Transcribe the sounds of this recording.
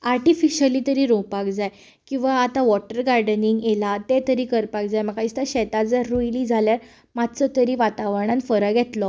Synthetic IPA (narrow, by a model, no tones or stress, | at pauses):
aɾʈifiɕəliːt̪əɾiɾõpakd͡zaj | kĩw̃ʋaːt̪aʋɔʈəɾɡaɾɖəniŋɡelat̪et̪əɾiːkəɾpak̚d͡zajmakaist̪aɕɛt̪ad͡zəɾːujlid͡zʱaljaɾ | mad̪t͡sət̪əɾiʋat̪aʋəɾɳ̃ãnfəɾəkjɛt̪lɔ